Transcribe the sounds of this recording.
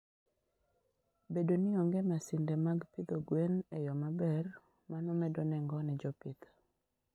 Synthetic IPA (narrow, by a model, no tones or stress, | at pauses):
bedoniɔŋɡɛmasɪndemaɡpid̪oɡwenejɔmabɛr | manɔmɛdɔnɛŋɡɔnɛd͡ʒɔpid̪